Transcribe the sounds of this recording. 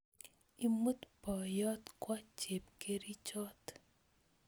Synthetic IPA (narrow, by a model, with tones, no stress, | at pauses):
imu˦t̪bɔ˨jɔ˦t̪kwɔ˦t͡ʃe˨p̚ke˦ɾi˦t͡ʃɔ˦t̪